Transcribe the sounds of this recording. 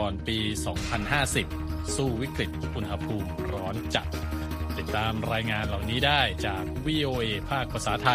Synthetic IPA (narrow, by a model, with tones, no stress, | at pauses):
ɔː˨˧npiː˧sɔː˩˦ŋpʰa˧nɦaː˥˩si˨˩p̚suː˥˩wi˦˥kɾi˨˩t̪̚ʔu˧nɦa˧pʰuː˧mɾɔː˦˥nt͡ɕa˨˩t̪̚ | t̪i˨˩t̪ːaː˧mɾaː˧jŋaː˧nla˨˩wniː˦˥daː˥˩jt͡ɕaː˨˩k̚wiː˧ʔoː˧ʔeː˧pʰaː˥˩k̚pʰɾa˧saː˩˦t̪ʰa˧